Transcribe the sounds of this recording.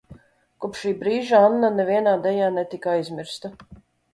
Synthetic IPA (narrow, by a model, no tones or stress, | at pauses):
kupʃiːbɾiːʒaanːanɛvʲiɛnaːd̪ɛjaːnɛt̪ikajzʲmʲiɾst̪a